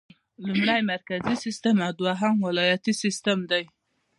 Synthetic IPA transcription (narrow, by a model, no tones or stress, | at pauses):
lumɽajmaɾkazisɪst̪əmawd̪waɦamwɪlɑjat̪isɪst̪amd̪aj